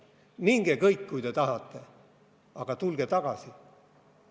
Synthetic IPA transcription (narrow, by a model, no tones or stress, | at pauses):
niŋɡ̥ekɤjkːujt̪e̞t̪ɑɦɑt̪ːe̞ | ɑɡ̥ɑt̪ulɡ̥e̞t̪ɑɡ̥ɑsi